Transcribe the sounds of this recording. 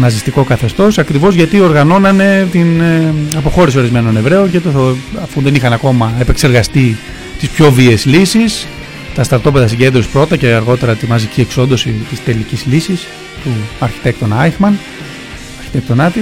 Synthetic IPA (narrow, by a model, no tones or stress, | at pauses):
nɐzist̪iko̞kɐθe̞st̪o̞sɐkɾivo̞zʝɐt̪io̞ɾɣɐno̞nɐne̞t̪inɐpo̞xo̞ɾisio̞ɾizme̞no̞ne̞vɾe̞oncet̪oɐfunðe̞nixɐnɐko̞mɐe̞pe̞kse̞ɾɣɐst̪i | t̪ispço̞vieslisis | t̪ɐst̪ɐɾt̪o̞peðɐsiɲɟe̞nd̪ɾosi̥pɾo̞t̪ɐce̞ɐɾɣo̞t̪e̞ɾɐt̪imɐzicie̞kso̞nd̪o̞sit̪ist̪e̞licizlisis | t̪uɐɾçi̥t̪e̞k̚t̪onɐixmɐn | ɐɾçi̥t̪ekt̪o̞nɐt̪i